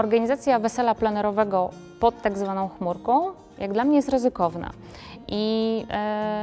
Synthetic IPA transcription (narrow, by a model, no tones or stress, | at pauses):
ɔɾɡaɲizat̪sʲjavɛsɛlaplanɛɾɔvɛɡɔ | pɔt̪ːaɡzvanɔ̃w̃xmuɾkɔ̃w̃ | jaɡd̪lamɲɛjɛst̪ɾɘzɘkɔvna̰ | ʔi